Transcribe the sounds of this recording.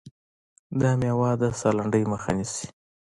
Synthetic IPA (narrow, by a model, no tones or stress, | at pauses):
d̪ɑmawɑd̪asɑlaɳɖəjməxa̰nisi̥